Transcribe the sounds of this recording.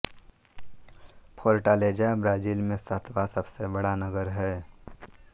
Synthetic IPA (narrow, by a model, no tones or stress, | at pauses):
pʰoːɾʈaːleːd͡ʒabɾaːd͡ʒiːlmẽsət̪ʰbasəbsebəɽanəɡəɾɦɛː